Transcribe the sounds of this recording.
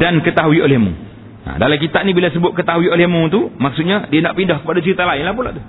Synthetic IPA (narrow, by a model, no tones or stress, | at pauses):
dankət̪aɦuiolɛhmṵ̃ | a̰dalamk̬it̪aʔnibilasəbʊt̪̚kət̪aɦuiolɪhmũt̪umaksut̪̚ɲãdianaʔpindɔhkəpadat͡ʃəɾit̪alaɪnlahpulaʔt̪u